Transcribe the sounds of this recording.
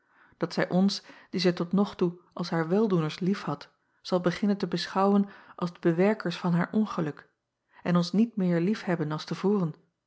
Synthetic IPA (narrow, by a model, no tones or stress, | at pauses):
d̥ɑtsɛjʔɔnsd̥izɛjtɔtnɔχtuʔɑlˠsɦaːɹʋɛlˠdunəɹslifhɑt | z̥ɑlˠbəχɪnəntəbəsχɑwənʔɑlˠzdəbəʋɛɹkəɹsfɑnɦaːɹʔɔnχəlɵk | ɛnɔnsnit̚mɪːɹlifhɛbənɑlˠstəvuːʁən